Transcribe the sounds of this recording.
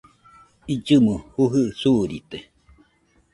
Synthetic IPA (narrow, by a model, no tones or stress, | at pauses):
id͡ʒɨmɨhuɦɨʔsuɾit̪e